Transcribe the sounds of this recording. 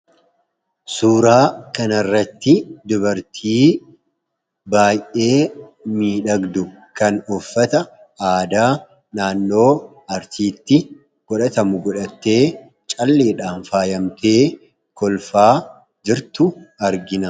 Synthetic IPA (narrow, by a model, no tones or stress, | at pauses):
suːɾaːkɐnɐrːɐt̪ːɪd̪ʊbɐɾt̪ʰiː | baːjʔe̞ːmiːᶑɐɡd̪ʊ | kɐnɔfːɐt̪ɐ | aːd̪aː | naːnːo̞ː | ɐɾt̪iːt̪ːɪ | ɡ̥ɔᶑɐt̪ɐmʊɡɔᶑɐt̪ːe̞ː | t͡ʃʼɐlːeːᶑaːnfaːjɐmt̪ʰe̞ː | kɔlfaː | d͡ʒɪɾt̪ʊɐɾɡɪnɐ